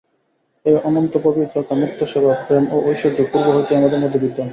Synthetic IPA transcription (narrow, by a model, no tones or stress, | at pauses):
ejɔnont̪opobid͡ʑɔt̪amuk̚t̪ʰoʃɔbʱapɾemoʔojʃod͡ʑopuɾboɦojt̪eamad̪eɾmod̪ʱːibid̪ːan